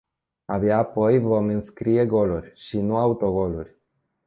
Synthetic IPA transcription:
abjaːpo̞jvo̞mɨnskɾie̞ɡo̞lurʲʃinuaut̪o̞ɡo̞lurʲ

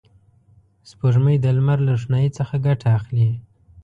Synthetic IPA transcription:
spoʒməjd̪əlmaɾlaʂnɑjit͡səxaɡaʈʰaːxli

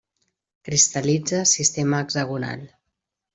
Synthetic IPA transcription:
kɾist̪əlid͡zəsist̪eməːɡzəɣuna̰lˠ

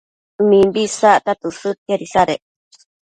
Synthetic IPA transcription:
mĩmbisat̪at̪usɨt̪̚eɾisaɾeʔ

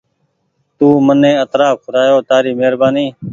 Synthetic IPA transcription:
t̪uːmənẽːət̪ɾaːfkʰʊɾaːjoːt̪aːɾiːmeːɾbaːniː

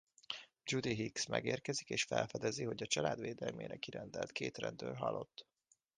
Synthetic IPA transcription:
d͡ʒud̪iɦiksmɛɡeːrkɛzikeːʃfɛlfɛd̪ɛziɦo̞ɟɒt͡ʃɒlaːd̪ʋeːd̪ɛlmḛːɾɛkiɾɛnd̪ɛlt̪kʰeːt̪rɛnd̪øːlɦɒlːo̞t̪ː

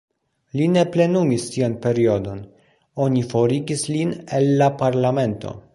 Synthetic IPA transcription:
line̞ple̞numistianpe̞ɾio̞do̞n | o̞nifo̞ɾiɡislinelːapaɾlame̞nto̞̰

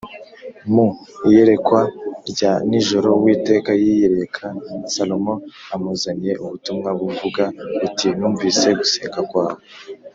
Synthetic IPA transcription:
muije̞ɾe̞kwaɾɟaniʒo̞ɾo̞wiːte̞ːkajijeɾe̞kʰasalo̞mo̞amuzanije̞ʔuβutumŋaβuvuɡaitinuːɱviːse̞ɡuseːŋɡakwaːwo

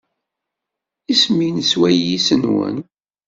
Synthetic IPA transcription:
isminswæjisənwə̰n

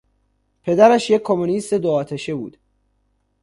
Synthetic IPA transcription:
pʰe̞d̪æɾæʃjekʰːomonist̪e̞d̪oɒːt̪ʰeʃebuːd̪̥

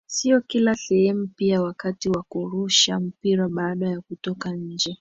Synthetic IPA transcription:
siɔkilasɛhɛmupiawakatiwakuɾuʃam̩piɾaɓaːɗajakutɔkaɲ̩d͡ʒɛ

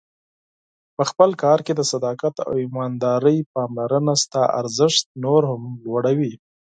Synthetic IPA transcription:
pəxpəlkɑɾked̪əsad̪ɑkat̪a̰wimɑnd̪ɑɾəjpɑmlaɾənast̪ɑʔa̰ɾzɪʂt̪̚noɾhamlwaɽawi

